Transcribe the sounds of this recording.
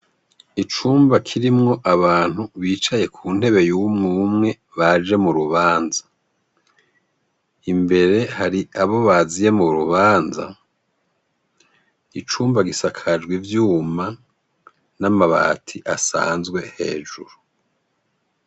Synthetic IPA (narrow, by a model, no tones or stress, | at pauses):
it͡ʃuːmbakʰiɾimŋo̞ʔaβaːn̥uβiːt͡ʃaje̞kʰuːn̥he̞βe̞jumŋumŋe̞ | βaʒe̞muɾuβaːnzḁ | imbe̞ɾe̞haɾiaβo̞βazije̞muɾuβaːnza̰ | it͡ʃuːmbaɡisakʰad͡ʒɡwivjuːma | namaβa̰ːtʰiʔasa̰ːnzɡwe̞he̞̰ːʒuɾu